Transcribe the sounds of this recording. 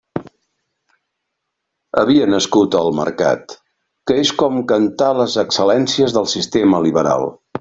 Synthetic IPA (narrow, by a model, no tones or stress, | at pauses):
əβiənəskut̪əlˠmə̰ɾka̰t̪ | kəeskɔmkənt̪aləzəksəlɛnsiəzðəlˠsist̪eməliβəɾa̰lˠ